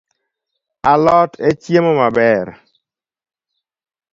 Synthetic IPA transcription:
alɔtet͡ʃjemɔmabɛɾ

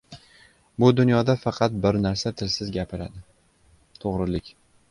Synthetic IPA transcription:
bʊd̪ʊnjɒd̪afɑqʰɑt̪̚bɪɾnaɾsat̪ʰɪlsɪzɡʲapʰɪɾa̰d̪ɪ | t̪ʰoʁɾɪlɪkʲ

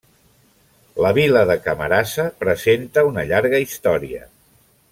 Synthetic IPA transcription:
ləβ̞iləðəkəmə̰ɾasəpɾəzent̪əunəʎaɾɣəist̪ɔɾiə̰

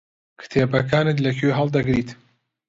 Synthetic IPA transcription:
kʰɨ̥t̪ʰeːbɐkaːnɨt̪̬lɐkʰøɦɐlˠd̪ɐɡɾiːt̪

